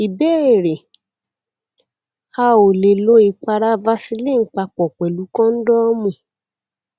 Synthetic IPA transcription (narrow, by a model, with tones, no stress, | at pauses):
i˨bɛ˦e˨ɾe˨ | ka˧o˨le˨lo˧˦i˧k͡pa˧ɾa˦va˧si˧le˦˨ŋ̩˨˦k͡pa˧k͡pɔ˨k͡pɛ˨lu˨˦kɔ̃˦n̩˦dɔ˦mũ˧˨